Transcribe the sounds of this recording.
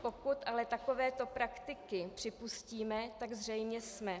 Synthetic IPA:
po̞kut̪ʔalɛt̪ako̞vɛːt̪o̞pɾakt̪ɪkɪpr̝̥ɪpusciːmɛt̪aɡzr̝ɛjmɲɛsmɛ

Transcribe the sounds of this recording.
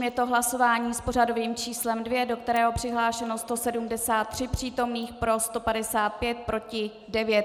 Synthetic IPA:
mjɛt̪o̞ɦlaso̞vaːɲiːspo̞rado̞viːmt͡ʃiːslɛmdvjɛdo̞k̚t̪ɛɾɛːɦo̞pr̝̥ɪɦlaːʃɛno̞st̪o̞sɛdumdɛsaːt̪ːr̝̥ɪpr̝̥iːt̪o̞mniːxpɾo̞st̪o̞padɛsaːt̪̚pjɛt̪̚pɾo̞cɪ | dɛvjɛt̪

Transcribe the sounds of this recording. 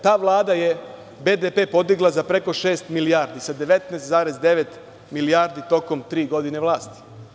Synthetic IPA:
t̪aːʋlˠaːd̪aje̞ | be̞d̪epe̞ːpo̞d̪iɡlˠazapɾe̞ko̞ʃe̞ːst̪milijaɾd̪isad̪e̞ʋe̞t̪nest̪zaːɾezd̪e̞ʋet̪ | milijaːɾd̪it̪o̞ko̞mt̪ɾiːɡo̞d̪ine̞ʋlˠaːst̪i̥

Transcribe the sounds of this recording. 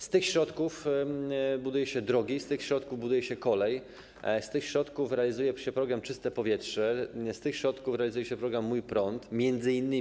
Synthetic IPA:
st̪ɘxɕɾɔt̪kuf | bud̪ujɛɕɛd̪ɾɔɡʲist̪ɘxɕɾɔt̪kuvbud̪ujɛɕɛkɔlɛj | st̪ɘxɕɾɔt̪kufɾɛalʲizujɛɕɛpɾɔɡɾamt͡ʂɘst̪ɛpɔvʲjɛtʂɛst̪ɘxɕɾɔt̪kufɾɛalizujɛɕɛpɾɔɡɾamːujpɾɔnt̪mʲjɛnd̪zɘinːɘ

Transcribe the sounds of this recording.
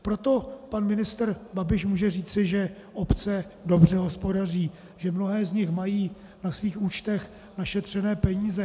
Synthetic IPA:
pɾo̞t̪o̞panmɪnɪst̪rbabɪʃmuːʒɛriːt͡sɪʒɛ | ʔo̞pt͡sɛdo̞br̝ɛɦo̞spo̞dar̝iː | ʒɛmnoɦɛːzɲɪxmajiː | nasviːxuːt͡ʃt̪ɛx | naʃɛt̪r̝̥ɛnɛːpɛɲiːzɛ

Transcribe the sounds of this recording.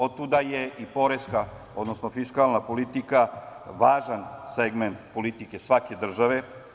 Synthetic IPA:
od̪̚t̪ud̪ajeipo̞ɾeska | od̪nosnofiskalˠnapolit̪ikaʋaːʒanseɡment̪po̞lit̪ike̞sʋake̞d̪r̩ʒaʋe̞

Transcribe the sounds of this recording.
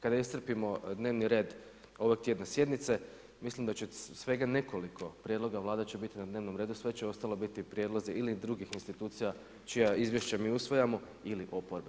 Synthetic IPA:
kad̪aist̪r̩pimo̞d̪ne̞ːʋniɾe̞ːd̪ | o̞ʋoɡ̚t̪je̞d̪nasje̞d̪nit̪se̞ | mislimd̪at͡ɕesʋe̞ɡane̞ko̞likʰo̞pɾʲje̞d̪lˠo̞ɡaʋlˠaːd̪at͡ɕebit̪inad̪ne̞ːʋno̞mɾe̞ːd̪usʋe̞t͡ɕeo̞st̪alˠo̞bit̪ipɾjed̪lˠozeʔilid̪ɾuɡixinst̪it̪uːt̪sija | t͡ʃijaizʋjeʃt͡ɕamiːusʋo̞jamo̞ | iliʔo̞poɾbe

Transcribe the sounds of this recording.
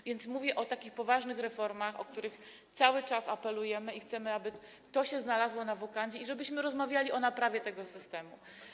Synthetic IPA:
vʲjɛnt̪smuvʲjɛʔɔt̪akʲixpɔvaʐnɘxɾɛfɔɾmaxɔ̰k̚t̪uɾɘx | t̪sawɘt͡ʂasapɛlujɛmɘixt̪sɛmɘabɘ | t̪ɔɕɛznalazwɔnavɔkaɲd͡ʑɛiʐɛbɘɕmɘɾɔzmavʲjalʲiʔɔnapɾavʲjɛt̪ɛɡɔsɘst̪ɛmṵ

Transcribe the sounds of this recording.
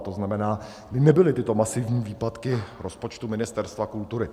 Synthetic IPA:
t̪o̞znamɛnaː | ɪnɛbɪlɪt̪ɪt̪o̞masɪvɲiːviːpat̪kɪɾo̞spo̞t͡ʃt̪umɪnɪst̪ɛɾst̪vakult̪uɾɪ

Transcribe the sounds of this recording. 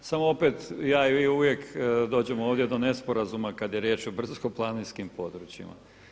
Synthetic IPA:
samoo̞pet̪jaːiiuʋje̞kd̪o̞ːd͡ʑe̞mooːʋd̪jed̪o̞ne̞spoɾazumakad̪je̞ɾjeːt͡ʃobr̩zkoplˠaninskimpo̞d̪ɾut͡ɕjḭma̰

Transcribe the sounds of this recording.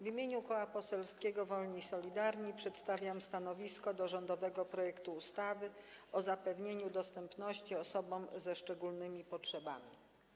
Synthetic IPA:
vʲimʲjeɲukɔwapɔsɛlskʲeɡɔvɔlɲisɔlʲid̪aɾɲipʂɛt̪st̪avʲjamst̪anɔvʲiskɔd̪ɔʐɔnd̪ɔvɛɡɔpɾɔjɛkt̪uːst̪avɘɔzapɛvɲeɲud̪ɔst̪ɛmpnɔɕt͡ɕiɔsɔbɔmzɛʂt͡ʂɛɡulnɘmʲipɔtʂɛba̰mʲi

